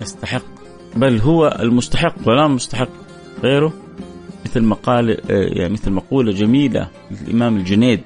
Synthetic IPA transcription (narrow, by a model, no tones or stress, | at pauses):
ʔast̪aħɪqː | balːɦʊwːaʔa̰lmʊst̪aħɪqːwɪlamʊst̪aħɪqː | ɣeːɾʊ | mɪθlmaqɑːlɪja̰ʕnmɪθlmɑquːlad͡ʒamiːla̰ | lɪlʔɪ̰maːmald͡ʒɪneːd̪